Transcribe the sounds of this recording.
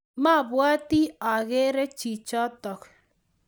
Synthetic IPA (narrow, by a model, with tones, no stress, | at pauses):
ma˦˨βwa˦ti˦a˨ɣe˦ɾɛ˦t͡ʃi˨t͡ʃɔ˦tɔ˨k